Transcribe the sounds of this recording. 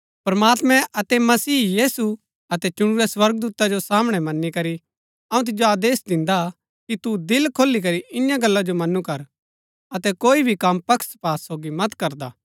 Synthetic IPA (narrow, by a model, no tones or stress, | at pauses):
pɐɾmaːt̪mɛ̃ʔɐt̪ɛmɐsiːjiːsu | ɐt̪ɛt͡ʃʊɽ̃uɾɛswɐɾɡəd̪uːt̪ad͡ʒosaːmɽ̃ɛmɐnːikɐɾi | ɐ̃ũt̪̬ɪd͡ʒoaːd̪eːsd̪ɪ̃nd̪a | kit̪ud̪ɪlkʰoːlːik̬ɐɾiʔɪnjãɡɐlːad͡ʒomɐnːukɐɾ | ɐt̪ɛkoːibʱikɐmpɐkʰspaːsoːɡimɐt̪kɐɾd̪aː